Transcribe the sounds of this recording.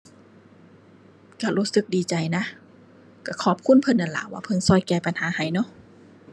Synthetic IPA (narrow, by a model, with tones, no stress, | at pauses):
ka˧˩luː˧˥sɯ˧˦k̚diː˨˩t͡ɕa˨˩jna˧˥˨ | ka˧˩kʰɔː˧˩p̚kʰu˧˥˨npʰɤ˧˨nːʔa˨˧˩la̰ː˨˦waː˧˩pʰɤ˧˨nsɔː˧˨jkɛː˧˩pa˨nhaː˨˦ha˨˩jnɔ˧˥˨ʔ